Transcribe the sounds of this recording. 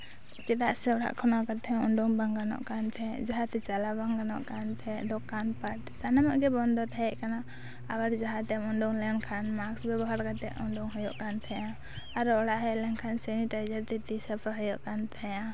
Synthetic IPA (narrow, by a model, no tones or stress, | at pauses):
t͡ʃɛt̪aʔsɛɔɽa̰ʔkʰɔnɔkat̪ʰɛuɳɖɔŋbaŋɡanɔ̰ʔkant̪ʰɛd͡ʒaɦat̪ɛt͡ʃalabaŋɡanɔ̰ʔkant̪ʰɛd̪ɔkanpaʈsanamaʔɡɛbɔnd̪ɔt̪ʰajɛʔkanaː | baɾd͡ʒaɦat̪ɛmɔɳɖɔŋlɛnkʰanmaksbɛbɔɦaɾkat̪ɛ̰ʔuɳɖɔŋɦɔjɔʔkant̪ʰɛjã | aɾɔɽaʔɦɛlɛŋkʰansɛniʈajd͡ʒaɾt̪ɛt̪isapʰaɦəjɔʔkant̪ʰɛjã